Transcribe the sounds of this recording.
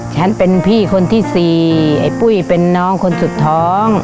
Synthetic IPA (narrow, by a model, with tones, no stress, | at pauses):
t͡ɕʰa˦˥npe˧npʰiː˥˩kʰo˧nt̪ʰiː˥˩siː˨˩ʔa̰˨˩jpu˥˩jpe˧nːɔː˦˥ŋkʰo˧nsu˨˩t̪ʰːɔː˦˥ŋ